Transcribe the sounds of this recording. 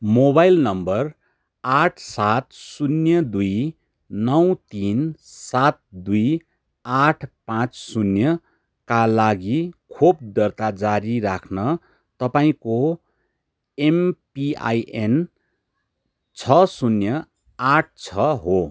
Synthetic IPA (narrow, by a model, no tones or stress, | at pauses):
mobajlnʌmbʌr | aʈʰsat̪sunjʌd̪uj | nʌwt̪insat̪̚d̪uj | aʈʰpãt͡ssunjʌ | kalaɡikʰob̚d̪ʌrt̪ad͡zaɾirakʰnʌ | t̪ʌpaĩko | empia̰jʔen | t͡sʰʌsunjʌ | aʈ̚ʰt͡sʰʌɦo